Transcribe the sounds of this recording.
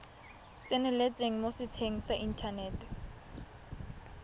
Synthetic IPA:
t͡sʼenɪlet͡sʼeŋ̩mosɪt͡sʰeŋ̩saʔintʰaneːtʰɛ̥

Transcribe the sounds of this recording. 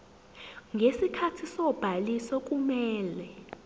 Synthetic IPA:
ŋʱesikʰatʰisɔb̥ʱalisɔk̬ʼumɛːlɛ

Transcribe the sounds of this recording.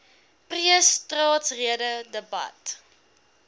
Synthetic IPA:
priəstrɑːtsriədədəbɐ̰t

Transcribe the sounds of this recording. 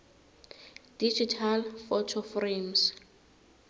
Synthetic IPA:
d̥id͡ʒitʰalfɔtʰɔfrems

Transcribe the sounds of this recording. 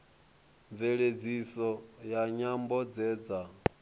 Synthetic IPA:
ɱveɺed͡zisɔjaɲambɔd͡zɛːd͡za

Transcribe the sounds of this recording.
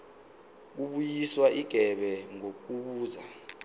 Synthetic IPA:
k̬uɓujiswaʔiɡ̥ʱɛɓɛŋok̬uɓuːza

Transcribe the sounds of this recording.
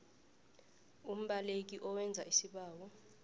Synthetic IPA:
um̩ɓalek̬iʔɔwɛnd͡zʱaisiɓaːwɔ

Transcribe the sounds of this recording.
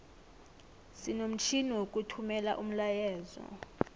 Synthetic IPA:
sinom̩t͡ʃʰiniwokʼutʰumɛla̰ʔum̩lajɛːzɔ̰

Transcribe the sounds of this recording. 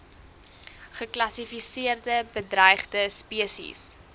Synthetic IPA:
χəklɐsifisiərdəbədrəjχdəspiəsḭs

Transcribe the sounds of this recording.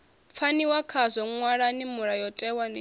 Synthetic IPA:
p̪fʰaniwakʰazʷɔŋwaɺanimuɺajɔtʼɛwani

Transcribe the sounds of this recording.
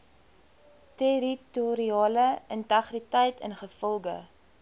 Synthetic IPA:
teɾituɾiɑːləəntɐχritəjtʰə̰nχəfɔlˠɡə̰

